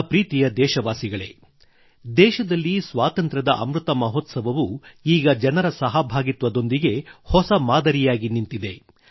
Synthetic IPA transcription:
pɾiːt̪ijɐd̪ɛːʃɐʋaːsiɡɐɭe̞̰ | d̪ɛːʃɐd̪ɐlːisʋaːt̪ɐnt̪ɾɐd̪ɐʔɐ̰mɾut̪ɐmɐɦot̪sɐbɐʋuiːɡɐd͡ʒɐnɐɾɐsɐɦɐbʱaːɡit̪ʋɐd̪o̞nd̪iɡe̞hɔsɐmaːd̪ɐɾijaːɡinint̪id̪e̞

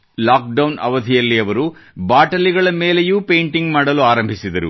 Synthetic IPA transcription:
laːk̚ɖɐwnʔɐ̰ʋɐd̪ʱijɐlːiɐʋɐɾubaːʈɐliɡɐɭɐmeːlejuːpejɳʈiŋɡmaːɽɐluaːɾɐmbʱisid̪ɐɾṵ

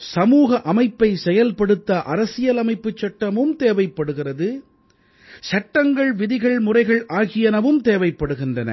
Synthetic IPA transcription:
sɐmuːɣɐʔɐmɐɪpːɐɪsɛjɐlpɐɽɯt̪ːɐʔɐɾɐsɪjɐlɐmɐɪpːɯt͡ʃːɐʈːɐmɯmt̪eːʋɐɪpːɐɽɯɣɪrɐðɯ | sɐʈːɐŋɡɐɭʋɪðɪɣɐɭmʊrɐɪɣɐɭʔaːɣɪjɐnɐʋɯmt̪eːʋɐɪpːɐɽɯɣɪndrɐnɐ̰

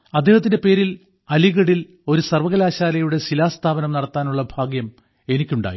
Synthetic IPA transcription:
ɐd̪ːe̞ːhɐt̪ːinde̞pe̞ːɾil | ɐliɣɐɽil | o̞ɾusɐrʋɐɣɐlaːɕaːlɐjuɽe̞silaːst̪ʰaːbɐnɐmnɐɽɐt̪ːaːnuɭːɐbʱaːɡjɐm | e̞nikʲːuɳɖa̰ːjḭ

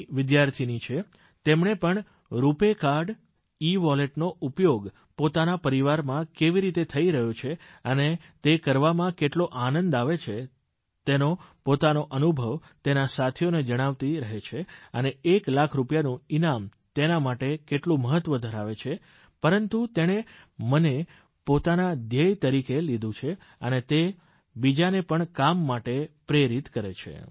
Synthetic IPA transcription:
ʋɪd̪jaɾt̪ʰinit͡ʃʰe | t̪emɳepəɳ | ɾupekaɾɖ | iʋɔleʈnoupjoɡ | pot̪anapəɾiʋaɾmãkeʋiɾit̪et̪ʰəiɾəɦjot͡ʃʰe | əne | t̪ekəɾʋamãkeʈloʔanənd̪aʋet͡ʃʰe | t̪enopot̪anoʔənubʱəʋ | t̪enasat̪ʰijoned͡ʒəɽ̃aʋt̪iɾəɦet͡ʃʰeəneːklakʰɾupjanũinamt̪enamaʈekeʈlũməɦət̪ʋəd̪ʱəɾaʋet͡ʃʰe | pəɾənt̪ut̪eɽ̃e | məne | pot̪anad̪ʱjəjt̪əɾikelid̪ʱũt͡ʃʰe | ə̰net̪e | bid͡ʒanepəɳkamːaʈepɾeɾit̪kəɾet͡ʃʰḛ

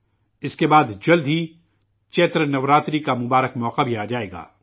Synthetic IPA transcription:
ɪskebaːd̪d͡ʒɐld̪ʱɦi | t͡ʃeːt̪ɾənɐʋɾaːt̪ɾikamʊbaːɾəkmɔːqabʱiaːd͡ʒaːeːɡa̰ː

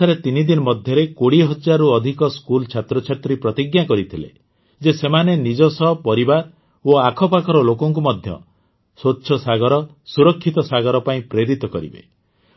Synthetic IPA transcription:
aɾet̪inid̪inɔmɔd̪ʱjɔɾekoɽiɦɔd͡ʒaɾuɔd̪ʱikɔskult͡ʃʰat̪ɾɔt͡ʃʰat̪ɾipɾɔt̪iɡjakɔɾit̪ʰilḛ | d͡ʒesemanenid͡ʒɔsɔɦpɔɾibaɾ | oakʰɔpakʰɔɾɔlokɔŋk̬umɔd̪ʱjɔ̰ | sotːʃʰɔsaɡɔɾɔ | suɾɔkʰːit̪ɔsaɡɔɾɔpaĩpɾeɾit̪ɔkɔɾḭbḛ

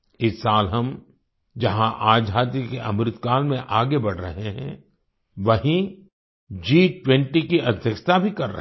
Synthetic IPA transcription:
ɪssaːlɦɐm | d͡ʒɐɦãʔaːd͡ʒɦaːt̪jikeʔɐ̰mɾɪt̪kaːlmẽʔaːɡebɐɽ̤ɾɐɦeɦɛ̰̃ | ʋɐɦĩ | d͡ʒiːʈwɛ̃ɳʈikiɐd̪ʱjəkʃt̪abʱikɐɾːɐ̰

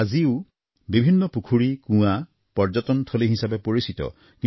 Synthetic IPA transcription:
aziu | bibʱinːɔpukʰuɹikũa | pɔɾd͡ʒɔt̪ɔnt̪ʰɔliɦisabepoɹisit̪ɔ̰ | ki

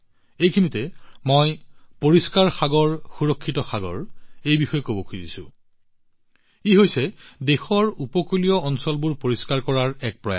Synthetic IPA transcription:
ejkʰinitɛmojpoɹiskaɹxaɡɔɹxuɹɔkʰːitɔxaɡɔ̰ɹejbixɔjɛkobɔkʰuzisʊ̰̃ | iɦojsɛdexɔɹupɔkulijɔɔnsɔlbʊɹpoɹiskaɹkɔɹaɹɛk̚pɹɔja̰

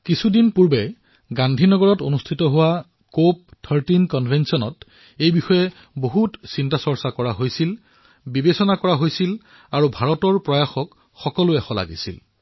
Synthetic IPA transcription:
kisʰudinpuɹbɛ | ɡandʱinɔɡɔɹɔtonustʰitɔɦʊwa | kop̚tʰəɹtinkɔnbʱensiɔnɔt | ejbixɔjɛ | boɦutsintasɔɹsakɔɹaɦojsil | bibesɔnakɔɹaɦojsil | aɹubʱaɹɔtɔɹpɹɔjaxɔk | xɔkɔlʊɛxɔla̰ɡḭsḭl

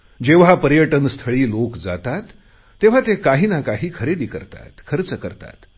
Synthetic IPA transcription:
d͡ʑeʋɦapəɾjəʈənst̪ʰəɭiːlokd͡zat̪at̪ː | eʋ̤at̪ekaɦiːnakaɦiːkʰəɾed̪iːkəɾt̪a̰t̪kʰəɾət͡səkəɾt̪a̰t̪

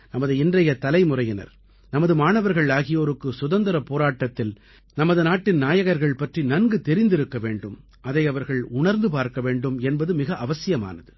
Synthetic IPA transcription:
nɐmɐðɯɪndrɐjɐt̪ɐlɐɪmʊrɐjɪnɐ̰ɾ | nɐmɐðɯmaːnɐʋɐɾɣɐɭaːɣɪjoːɾɯkːɯsʊðɐnd̪ɐɾɐpoːɾaːʈːɐt̪ːɪl | nɐmɐðɯnaːʈːɪnnaːjɐɣɐɾɣɐɭpɐʈrinɐnɡɯt̪ɛɾɪnd̪ɪɾɯkːɐʋeːɳɖɯm | ɐðɐɪɐʋɐɾɣɐɭʊɳɐɾnd̪ɯpaːɾkɐʋeːɳɖɯmɛnbɐðɯmɪɣɐʔɐʋɐsɪjɐma̰ːnɐðɯ

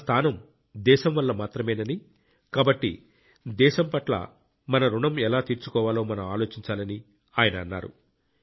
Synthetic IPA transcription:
st̪ʰaːnɐm | d̪ɛːʃɐmʋɐlːɐmaːt̪ɾɐmɛːnɐni | kaːbɐʈːḭ | d̪ɛːʃɐmpɐʈlɐ̰ | mɐnɐɾuɳɐmɛlaːt̪iːɾt͡ʃukɔːʋaːlo̞ːmɐnɐmaːlo̞ːt͡ʃiɲt͡ʃaːlɐni | aːjɐnɐːnːa̰ːɾṵ

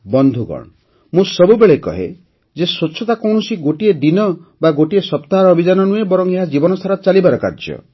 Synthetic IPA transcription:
bɔnd̪ʱuɡɔ̰ɽ̃ɔ | mũsɔbubeɭekɔ̰ɦḛ | d͡ʒesot͡ʃʰːɔt̪akɔwɳɔsiɡoʈied̪inɔbaɡoʈiesɔpt̪aɦaɾɔːbʱid͡ʒanɔnũebɔɾɔŋeɦad͡ʒibɔnɔst̪ʰaɾɔt͡ʃalibaɾɔka̰ɾd͡ʒjɔ̰

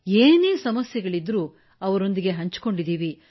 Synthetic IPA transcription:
eːneːsɐmɐsjɐɡɐɭid̪ɾuː | ɐʋɐɾo̞nd̪iɡe̞ɦɐɲt͡ʃko̞ɳɖid̪iːʋi

